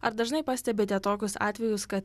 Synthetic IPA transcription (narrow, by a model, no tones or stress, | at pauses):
ɐɾd̪ɐʒnɐɪpɐsʲt̪ʲɛbʲeːt̪ʲɛt̪oːkʲʊsɑ̰ːt̪ʲʋʲɛjʊskɐt̪